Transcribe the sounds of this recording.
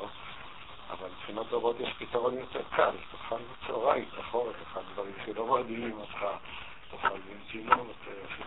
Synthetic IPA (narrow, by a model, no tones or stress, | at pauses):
o | a̰valipχinat̪ʁobot̪jeʃpit̪aʁo̞njot̪eʁkʰa̰lt̪oχalbet͡soʁajt̪aχo̞ʁeχeχad̪d̪vaʁimʃelo̞mad̪iimatχa | t̪oχalbitinujot̪ʰee